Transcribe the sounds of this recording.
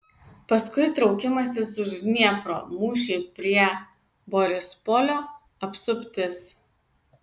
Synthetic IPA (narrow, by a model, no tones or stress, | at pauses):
pɐskʊɪt̪ɾɒʊkʲɪmɐsʲɪsʊʒɡnʲiɛpɾo̰ːmuːʃʲɛɪpʲɾʲiɛ | boɾʲɪspolʲoː | ɐpsʊpʲt̪ʲɪs